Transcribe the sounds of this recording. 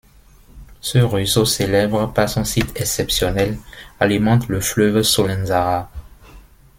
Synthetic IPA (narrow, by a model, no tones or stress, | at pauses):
səʁysoselɛbʁəpaʁsɔ̃sit̪ʰɛksɛpsjɔnɛlalimɑ̃t̪ləflœvsolɛ̃nzaʁa